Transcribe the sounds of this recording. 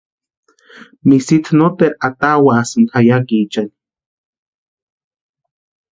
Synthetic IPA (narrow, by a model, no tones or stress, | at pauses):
misit͡s̪not̪eat̪awasɨnajakit͡ʃan